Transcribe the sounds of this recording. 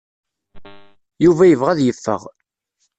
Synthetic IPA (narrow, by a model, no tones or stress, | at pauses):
juvæjəvʁæðjəfːə̰ʁ